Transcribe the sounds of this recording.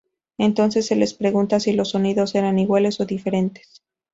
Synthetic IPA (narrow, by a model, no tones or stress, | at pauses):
e̞nt̪o̞nse̞sːe̞le̞spɾe̞ɣunt̪asilo̞sːo̞niðo̞se̞ɾaniɣwale̞so̞ðife̞ɾe̞nt̪e̥s